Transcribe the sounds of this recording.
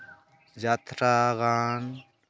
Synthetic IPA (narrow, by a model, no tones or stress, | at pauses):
d͡ʒaːt̪ɾaɣaːn